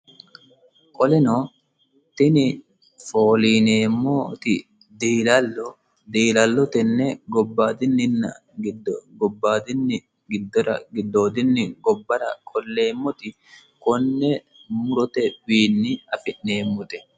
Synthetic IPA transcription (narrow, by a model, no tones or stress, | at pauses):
kʼɔlɛno | t̪ɪnɪ | foːliːneːmːɔt̪ɪ | d̪iːlɐlːɔ | d̪iːlɐlːɔt̪ɛnːɛɡɔbːaːd̪ɪnːɪnːɐ̰ | ɡɪd̪ɡɔbːaːd̪ɪnːɪ | ɡɪd̪ːɔɾɐ̰ɡɪd̪ːoːd̪ɪnːɪɡɔbːɐɾɐkʼɔlːeːmːɔt̪ɪ | kɔnːɛ | mʊɾɔt̪ɛwiːnːɪɐfɪʔne̞ːmːɔt̪ɛ̥